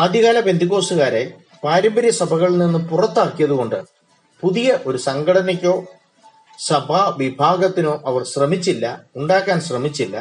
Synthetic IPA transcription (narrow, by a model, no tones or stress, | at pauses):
aːd̪ʱiɣaːlɐpe̞nd̪ikːo̞ːsuɣaːɾe | paːɾɐmbɐɾjɐsɐbʱɐɣɐɭninːɨpurɐt̪ːaːkːijɐðuɣo̞ɳɖɨ | puðijɐʔo̞ɾusɐŋɡɐɽɐnɐk̬ʲːo̞ː | sɐbʱaʋibʱaːɡɐt̪ːino̞ːʔɐʋɐrɕrɐmit͡ɕːilːɐ̰uɳɖaːkːaːnɕrɐmit͡ɕːilːɐ̰